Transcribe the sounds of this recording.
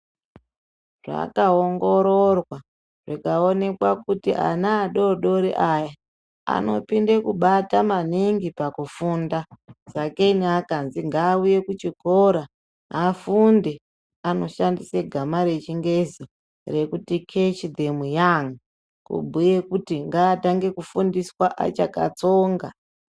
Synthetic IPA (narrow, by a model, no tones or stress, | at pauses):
ʐ̥a̰kaoŋɡo̞ɾorwa | ʐikaone̞kwakutiʔa̰naːɗo̞ɗo̞ɾḭʔaja | a̰no̞pindekuɓatamaniŋɡipakufundazakeiniakanziŋɡaːuje̞kut͡ʃikoɾa | afunde | ano̞ʃandiseɡʱamaɾe̞t͡ʃiŋɡezi | re̞kutikʰet͡ʃid̪ʱemujaŋa | kṵbʱuje̞kutiŋɡaːtaŋɡe̞kufundiswaʔa̰t͡ʃaka̰t͡soːŋɡa